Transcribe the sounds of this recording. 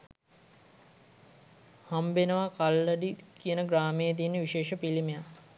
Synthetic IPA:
hambenəʋakalːəɖikijənəɡɾaːmejət̪̬iːnːeʋiʃeːʃəpilimeja

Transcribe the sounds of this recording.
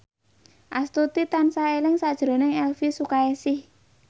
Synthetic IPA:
ʔast̪ut̪it̪ansaelɪŋsad̥ʒ̥ɾo̤nɪŋɛlfisukaesɪh

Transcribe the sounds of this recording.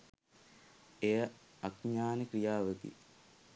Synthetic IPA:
ejəakɲaːnekɾijaːʋət̪ḭ

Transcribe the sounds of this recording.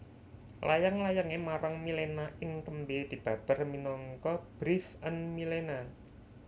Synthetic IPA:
lʔajaŋlajaŋemaɾaŋmilenaʔɪŋkəmbed̪̥i̤b̥a̤b̥ərminɔŋkɔb̥ɾɪfənmilena

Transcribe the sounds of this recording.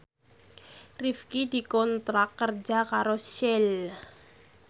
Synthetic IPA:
rifkidikɔnt̪ɾakːərd͡ʒakaɾoʃɛl

